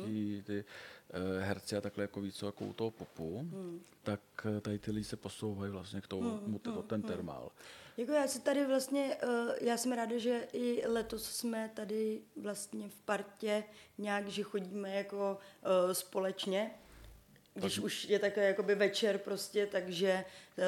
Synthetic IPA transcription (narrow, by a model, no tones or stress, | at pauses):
it̪ɪ | ɦɛɾt͡sɪat̪aklɛjakoviːt͡sojakoṵt̪oɦopupu | t̪akt̪adɪt̪ɪlɪɟɪsɛposowɦajivlast̪ɲɛkt̪omut̪ɛot̪ɛnt̪ɛɾma̰ljakojaːsɪt̪adɪvlast̪ɲɛʔjaːsɛmɾaːdaʒɛʔɪlɛt̪o̞ssmɛt̪adɪvlast̪ɲɛfpaɾcɛɲaːkʒɛxo̞ɟiːmɛjako̞spo̞lɛt͡ʃɲɛ | ɡdɪʃuʃjɛt̪aklɛjako̞bɪvɛt͡ʃɛɾpɾo̞scɛt̪aɡʒɛ